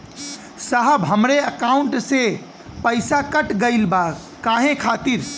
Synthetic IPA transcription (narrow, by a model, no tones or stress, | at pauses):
saɦəbɦəmɾeəkauɳʈse | pəɪsakəʈɡəɪlba | kaɦẽkʰat̪iɾ